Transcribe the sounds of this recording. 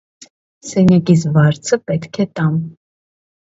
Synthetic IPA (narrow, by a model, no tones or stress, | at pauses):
sɛnakisvɑɾt͡sʰəpɛt̪kʰɛt̪ɑn